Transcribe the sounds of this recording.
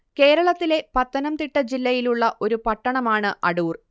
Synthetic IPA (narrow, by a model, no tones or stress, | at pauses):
ke̞ːɾɐɭɐt̪ːile̞pɐt̪ːɐnɐmt̪iʈːɐd͡ʑilːɐjiluɭːɐʔo̞ɾupɐʈːɐɳɐmaːɳɨʔɐɽuːr